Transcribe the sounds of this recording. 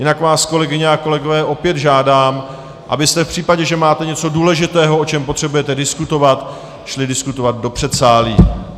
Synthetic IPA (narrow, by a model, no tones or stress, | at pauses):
jɪnakvaːsko̞lɛɡɪɲɛako̞lɛɡo̞vɛːʔo̞pjɛd̪ʒaːdaːm | ʔa̰bɪst̪ɛfpr̥iːpaɟɛʒɛmaːt̪ɛɲɛtt͡so̞duːlɛʒɪt̪ɛːɦoʔot͡ʃɛmpo̞t̪r̥ɛbujɛt̪ɛdɪskut̪o̞vat̪ | ʃlɪdɪskut̪ovad̪̚do̞pr̝̥ɛt̪saːliː